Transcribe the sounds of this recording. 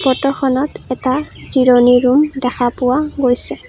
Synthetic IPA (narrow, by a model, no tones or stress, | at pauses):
pɔtɔxɔnɔtɛtaziɹɔniɹumdɛxʰapʊwaɡojsɛ